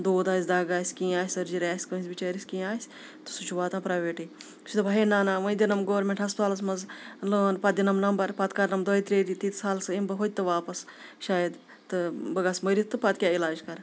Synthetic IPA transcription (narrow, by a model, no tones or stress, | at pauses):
d̪oːd̪aːsʲd̪aːɡaːsʲkĩːaːsʲɐɾd͡ʒiɾʲaːsʲkɐĩnsʲbit͡ʃɐːɾisʲkĩːaːsʲ | t̪ɨ̥sut͡ʃʰuʋaːt̪ãːpɾaːʋeːʈiː | t͡ʃʰut̪ɨbʱɐɦeːnaːnãːʋɐ̃d̪ʲinɐmɡoːɾmʲẽɳʈɦɐspaːlɐsmɐzləːnpɐd̪ʲinɐmnɐmbɐɾpɐt̪kɐɾnɐmd̪oːit̪ɾeːɾit̪iːt̪ʰsaːlsɨimbɐɦod̪̚ʲt̪ɨʋaːpɐsʃaːjɐd̪ | t̪ɨbɐɡaːsmɐɾit̪ʰːɨpɐt̪kʲaːilaːd͡ʒkɐɾ